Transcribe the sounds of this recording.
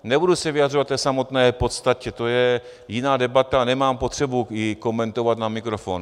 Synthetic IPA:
nɛbudusɛvɪjad̪r̝ovat̪t̪ːɛːsamot̪nɛːpot̪st̪acɛt̪ojɛ | jɪnaːdɛbat̪anɛmaːmpot̪r̝̥ɛbujɪko̞mɛnt̪ovat̪namikɾofoːn

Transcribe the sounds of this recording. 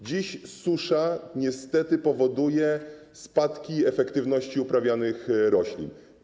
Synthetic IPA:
d͡ʑiɕsuʂaɲɛst̪ɛt̪ɘpɔvɔd̪ujɛ | spat̪kʲiɛfɛkt̪ɘvnɔɕt͡ɕiupɾavʲjanɘxɾɔɕlʲḭn

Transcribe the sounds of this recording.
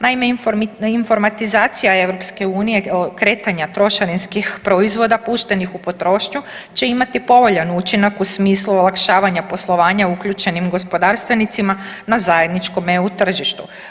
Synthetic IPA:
naime̞info̞ɾmat̪izaːt̪sijae̞ʋɾo̞pske̞uːnije̞kɾe̞ːt̪aɲat̪ɾo̞ʃaɾinskixpɾo̞izʋo̞d̪apuːʃt̪e̞nixupo̞t̪ɾo̞ːʃɲut͡ʃe̞imat̪ipo̞ʋo̞ʎanut͡ʃinakusmiːslˠuolˠakʃaːʋaɲapo̞slˠo̞ʋaːɲaukʎut͡ʃe̞nimɡo̞spo̞d̪aɾst̪ʋe̞nit̪simanazaje̞d̪nit͡ʃko̞meut̪r̩ʒiʃt̪u

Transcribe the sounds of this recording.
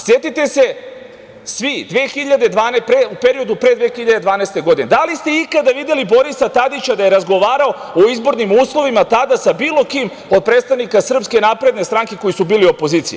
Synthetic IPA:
sje̞t̪it̪e̞se̞ | sʋid̪ʋexiʎad̪e̞d̪ʋaːnpɾeupeɾio̞d̪upɾe̞d̪ʋe̞xiʎad̪e̞d̪ʋaːnɛest̪e̞ɡo̞d̪ined̪alist̪e̞ikad̪aʋid̪jelibo̞ɾisat̪ad̪it͡ɕad̪aje̞ɾazɡo̞ʋaːɾao̞ | oizbo̞ɾnimuːslˠo̞ʋimat̪ad̪asabiːlˠo̞kim | o̞d̪̚pɾet̪st̪anikasr̩pske̞napɾe̞d̪ne̞st̪ɾaŋke̞ko̞jisubiːlio̞po̞ziːt̪sije

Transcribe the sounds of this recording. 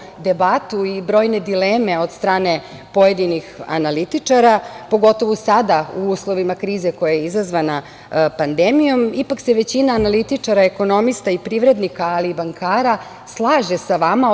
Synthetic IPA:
d̪ebat̪uibɾo̞ːjne̞d̪ileːme̞o̞d̪st̪ɾaːne̞ | po̞je̞d̪inixa̰nalit̪it͡ʂaɾapo̞ɡo̞t̪o̞ʋusad̪auuːslˠo̞ʋimakɾiːze̞ko̞jajeizazʋana | pand̪emijo̞mipakse̞ʋe̞t͡ɕinaːnalit̪it͡ʂaɾaeko̞no̞mist̪aipɾiʋɾe̞d̪nikaːlibaŋkʰaːɾa | slˠaːʒe̞saʋama

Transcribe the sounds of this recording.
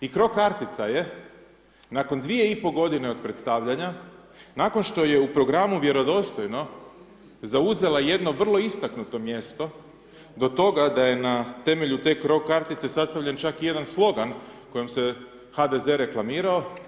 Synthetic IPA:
ikɾo̞kaɾt̪it̪saje̞ | nako̞nd̪ʋije̞ipo̞ɡo̞d̪ine̞o̞d̪̚pɾe̞t̪st̪aʋʎaɲa | nako̞nʃt̪o̞je̞upɾo̞ɡɾamuʋje̞ɾo̞d̪o̞st̪o̞jno̞ | zauze̞laje̞d̪no̞ʋr̩lˠo̞ist̪aknut̪o̞mje̞st̪o̞ | d̪o̞t̪o̞ɡad̪aje̞nat̪e̞me̞ʎut̪e̞ːkɾo̞kaɾt̪it̪se̞sast̪aʋʎʲent͡ʃakije̞d̪anslˠo̞ɡanko̞je̞mse̞ | had̪e̞ze̞ɾe̞klˠamiːɾao̞

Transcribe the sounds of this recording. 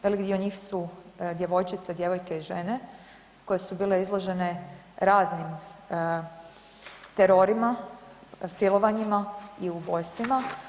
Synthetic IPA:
ʋe̞likd̪ioɲiːxsud̪je̞ʋo̞jt͡ʃit̪sed̪je̞ʋo̞jkeiʒe̞ne̞ | ko̞jesubiːleizlˠo̞ʒe̞ne̞ | ɾaːznim | t̪eɾo̞ɾima | silˠo̞ʋaɲimaiubo̞jst̪ima

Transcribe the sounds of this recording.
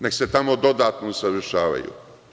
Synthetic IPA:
ne̞kse̞t̪amod̪o̞d̪aːt̪nosaʋr̩ʃaːʋa̰jṵ

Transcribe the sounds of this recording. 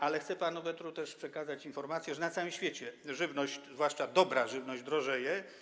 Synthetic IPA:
ʔalɛxt̪sɛpanuvɛt̪ɾut̪ɛʂpʂɛkazat͡ɕinfɔɾmat̪sʲjɛʐɛnat̪sawɘmɕfʲjet͡ɕɛʐɘvnɔɕt͡ɕzvwaʂt͡ʂad̪ɔbɾaʐɘvnɔʑd͡ʑd̪ɾɔʐɛjɛ

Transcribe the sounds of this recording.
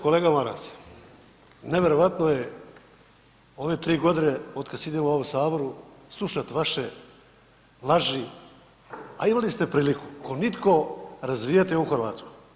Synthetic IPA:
ko̞le̞ːɡamaɾa̰s | neʋe̞ɾo̞ʋat̪noje | o̞ʋe̞t̪ɾiːɡo̞d̪ineo̞d̪kad̪sid̪emooʋomsaːboɾuslˠuʃat̪ʋaʃe | laʒi | a̰imalist̪e̞pɾiːliku̥konit̪ko̞ɾazʋijat̪euxrɾʋa̰ːt̪skoj

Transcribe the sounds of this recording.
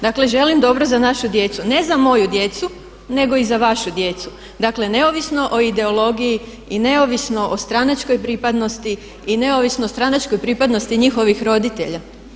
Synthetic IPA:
d̪akle̞ʒe̞limd̪o̞bɾo̞zanaʃud̪je̞t̪sune̞zamo̞jud̪je̞t̪su | ne̞ɡo̞izaʋaʃud̪je̞t̪su̥ | d̪akle̞ne̞oʋisno̞ʔoid̪e̞olˠo̞ɡiji | ine̞oʋisno̞ʔost̪ɾanat͡ʃko̞jpɾipad̪no̞st̪i | ine̞oʋisnoost̪ɾanat͡ʃko̞jpɾipad̪no̞st̪iɲixo̞ʋixɾo̞d̪it̪e̞ʎa

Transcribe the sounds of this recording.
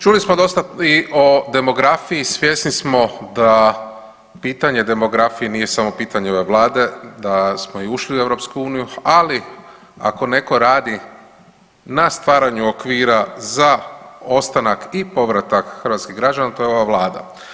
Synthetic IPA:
t͡ʃulismo̞d̪o̞st̪aiʔo̞d̪e̞mo̞ɡɾafijisʋje̞snismo̞d̪a | piːt̪aɲe̞d̪e̞mo̞ɡɾafijenije̞samo̞piːt̪aɲeo̞ʋe̞ʋlˠaːd̪e̞d̪asmo̞iuʃliueʋɾo̞pskuuːnijuali | a̰ko̞ne̞ko̞ɾaːd̪i | nast̪ʋaːɾaɲuokʋiːɾazao̞st̪anakipo̞ʋɾat̪akxəɾʋat̪skiɣɡɾad͡ʒanat̪o̞jeo̞ʋaʋlaːd̪a̰

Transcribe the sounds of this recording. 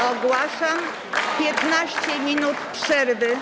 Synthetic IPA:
ɔɡwaʂam | pʲjɛt̪naɕt͡ɕɛmʲinut̪pʂɛɾvɘ

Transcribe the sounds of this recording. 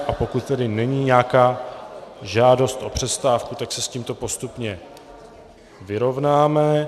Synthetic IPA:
ʔapo̞kut̪ːɛdɪnɛɲiːɲɛakaː | ʒaːdo̞st̪ʔo̞̰pr̝̥ɛst̪aːfkut̪aksɛsciːmt̪o̞po̞st̪upɲɛ | vɪɾo̞vnaːmɛ

